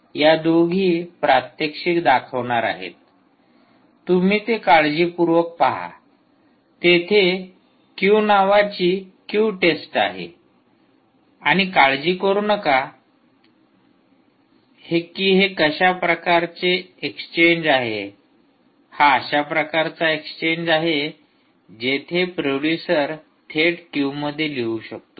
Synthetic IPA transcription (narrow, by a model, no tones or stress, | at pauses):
jad̪oɡʱiːpɾat̪jəkʂikd̪akʰəʋɳaɾa̰ɦḛt̪ | um̤iːt̪ekaɭd͡ʑiːpuɾʋək̚paɦa̰ | t̪et̪ʰe | kjuːnaʋat͡ɕiːkjuːʈesʈa̰ɦḛ | aɽ̃ikaɭd͡ʑiːkəɾuːnəka | hekiːɦekəɕapɾəkaɾt͡seekst͡ɕeɲd͡ʑaɦḛ | haəɕapɾəkaɾt͡saekst͡ɕeɲd͡ʑaɦe | d͡ʑet̪ʰepɾoɽjusəɾ | t̪ʰeʈkjuməd̪ʱːjeleuɕək̚t̪o